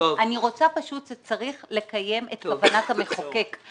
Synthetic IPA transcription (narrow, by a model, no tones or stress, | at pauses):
aniʁo̞t͡sapaʃutʃet͡saʁiχle̞kaje̞metkavanatameχoke̞k